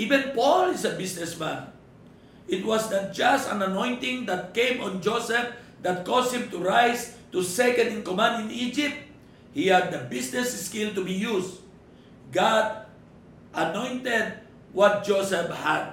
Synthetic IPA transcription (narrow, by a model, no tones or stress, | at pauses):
ʔivɛ̃npɔlɪsɐbisnɛsmãn | ʔɪt̪wasd̪at̚d͡ʒast̪ã̰nɐnõjnt̪ɪ̃ŋd̪at̪̚kẽj̃mɔ̃nd͡ʒosɛf̚ | d̪at̪̚kɔst̪hĩmt̪uɹajst̪usɛkɛ̃nɪ̃nkomãnd̪ɪ̃nid͡ʒɪp̚t̪̚ | hihad̪̚ːɐbisnɛsskilt̪ʊbijus | ɡad̪̚ | ʔɐnɔ̃jnt̪ɛd̪̚ | wɔt̪̚d͡ʒosɛphad̪̚